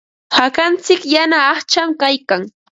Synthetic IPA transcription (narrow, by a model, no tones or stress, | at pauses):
hakant͡sɪkjanaːχt͡ʃamkajkaŋ